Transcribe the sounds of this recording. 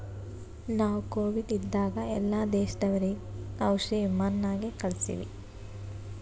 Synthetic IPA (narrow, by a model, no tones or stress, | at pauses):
naːʋukoːʋiɖid̪ːaːɡɐɛlːaːd̪eːʃɐd̪ɐʋɐɾeɐwʃiʋimaːnːaːɡekɐɭsḭʋḭ